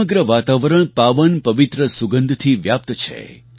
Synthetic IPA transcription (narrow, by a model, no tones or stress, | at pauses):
əɡɾəʋat̪aʋəɾəɳ̃paʋənpəʋit̪ɾəsuɡənd̪ʱt̪ʰiʋjap̚t̪t͡ʃʰḛ